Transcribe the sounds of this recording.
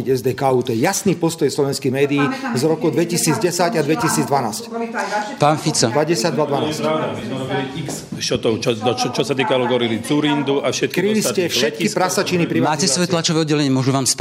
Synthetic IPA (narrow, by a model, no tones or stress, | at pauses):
iɟɛzd̪ɛːkauːt̪ɔjɛjasniːpɔst̪ɔjslɔʋɛnskijmɛːd̪iiːzɾɔkɔd̪ʋɛcisiːd͡zɟɛsaɟad̪ʋɛcisiːd͡zd̪ʋanaːscpaːnfit͡sɔd̪ʋaɟɛsad̪ʋad̪ʋanaːs | kst͡ʃɔt̪ɔt͡ʃɔɔt͡ʃɔt͡ʃɔsat̪iːkalɔɡɔɾilit͡suɾind̪uʔafʃɛt̪̚kɾiliscɛfʃɛt̪kispɾasat͡ʃinipɾimaːcɛsʋɔjɛt̪lat͡ʃɔʋɛːɔd̪ɟɛlɛɲɪɛmʊɔʒuʋaːmsp